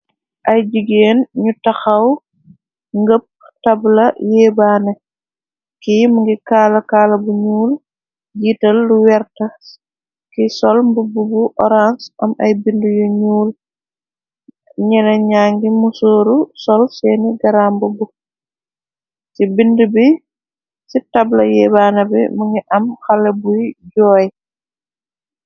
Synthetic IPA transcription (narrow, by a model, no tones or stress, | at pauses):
ʔɐjd͡ʒiɡeːnɲutɐxɐw | ŋɡəp̚ | tɐblɐjɛːbaːnɛ | kijmuŋɡikaːlɐkaːlɐbuɲuːl | d͡ʒiːtɐlːuwɛɾtɐ | kisɔlmbububuʔɔɾansʔɐmʔɐjbindujɔɲuːl | ɲɛlɐɲaːŋɡimusoːɾusɔlsɛːniɡɐɾaːmbubu | sibindəbi | sitablɐjɛbaːnɐbɛ̰muŋɡiʔɐmxalɐbujɟɔːj